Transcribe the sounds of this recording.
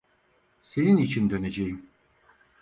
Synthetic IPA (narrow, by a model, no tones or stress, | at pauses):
se̞ninit͡ʃʰind̪ø̞ne̞d͡ʒejim